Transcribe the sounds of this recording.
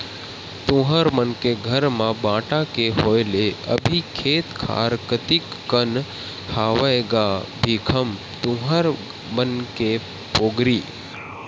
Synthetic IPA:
t̪ũɦəɾmənkeɡʱəɾmãbãʈãkeɦojleə̰bʱikʰeːt̪kʰa̰ɾkət̪ikːən | haʋəeɡabʱikʰəm | t̪ũɦəɾ | mənke | poːɡɾiː

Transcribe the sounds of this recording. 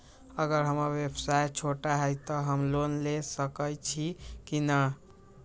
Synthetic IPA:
əɡəɾɦəməɾwebsajt͡ʃʰoʈaɦəjt̪ɔɦəmlonlesəkəjt͡ʃʰikinə

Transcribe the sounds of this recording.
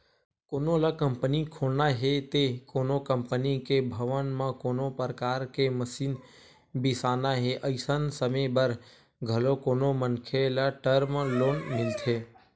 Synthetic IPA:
koːnolakəmpənikʰoːlnaɦet̪ekoːnokəmpənikebʱəʋənmãkoːnopɾəkaːɾkeməsiːn | bɪsaːnaɦeʔəɪsənsəmebəɾ | ɡʱəlokoːnomənkʰelaʈəɾmloːnmɪlt̪ʰeː

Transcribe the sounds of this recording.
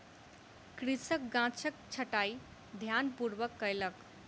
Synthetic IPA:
kɾisək̚ɡãt͡sʰək̚t͡ɕʰəʈaj | d̪ʱjanpuɾʋəkːəjlək

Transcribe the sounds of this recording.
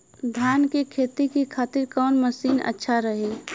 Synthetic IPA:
d̪ʱjaːnkekʰeːt̪ikikʰaːt̪ɪɾkɔːnməsiːnə̰tːʃʰaɾəɦe

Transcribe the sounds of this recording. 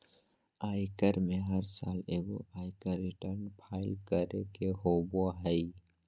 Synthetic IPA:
aːɪkəɾmẽɦəɾsa̰ːleːɡo̰ʔaːɪkəɾːɪʈəɾnpʰaːɪlkəɾḛkeɦoːboɦəɪ

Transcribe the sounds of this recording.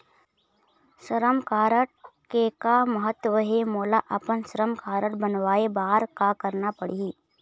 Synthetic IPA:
ʃəɾəmkaːɾəʈ̚kekaməɦət̪ːʋəɦemoːlaʔɐpənsəɾəmkʰaːɾəʈbənʋaːebaːɾkakəɾnapəɽii

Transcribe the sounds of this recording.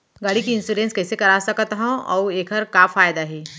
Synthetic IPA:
ɡaːɽikiɪ̃nsuɾẽːnskɛːsekɐɾasɐkt̪ɦɛ̃ʔɔ̰ːeːkʰəɾkaːfaːjd̪aɦɛː

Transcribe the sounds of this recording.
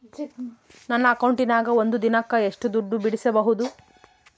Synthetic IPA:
nɐnːɐːkɐwɳʈinaːɡɐo̞nd̪ud̪inɐkːɐeʂʈud̪uɖːubiɽisɐbɐɦud̪u

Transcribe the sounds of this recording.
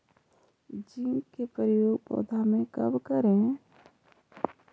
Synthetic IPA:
d͡ʒiŋkepəɾɪjoːɡpɔ̰ːd̪ʱamẽkɐ̰bkəɾẽ

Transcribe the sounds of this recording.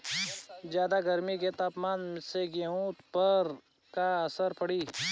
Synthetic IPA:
d͡ʒjaːd̪aɡɐɾmiket̪aːpmaːnmseɡeũt̪pɐɾ | kaɐsəɾpɐɽiː

